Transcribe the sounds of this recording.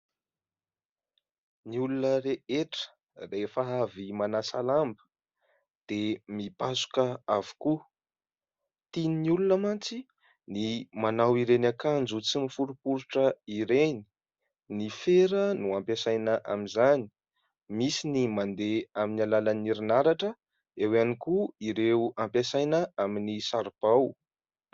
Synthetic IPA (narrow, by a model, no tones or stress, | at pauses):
niulunəɾeeʈ͡ʂə̥ | refəavimanasalambə̥ | d̪̥emipasu̥kəavu̥ku | t̪ininiulunəmant͡si | nimanawiɾenakand͡zut͡simifuɾupuɾuʈ͡ʂəiɾeni̥ | nifeɾənuampesajnəʔamizani̥ | misinimand̪eaminalalaniɾinaɾaʈ͡ʂə | ewanikuiɾewampesajnəaminisaɾb̥aw